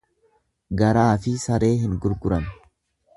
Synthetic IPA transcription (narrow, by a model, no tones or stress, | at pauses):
ɡɐɾaːfɪsɐɾe̞ːɦɪnɡʊɾɡʊɾɐn